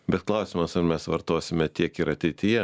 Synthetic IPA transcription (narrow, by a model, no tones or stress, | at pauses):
bʲɛt̪klˠɐˑʊsʲɪmɐsɐɾmʲɛsʋɐɾt̪oːsʲɪmʲɛt̪ʲiɛkɪɾɐt̪ʲɛɪt̪ʲɪjɛ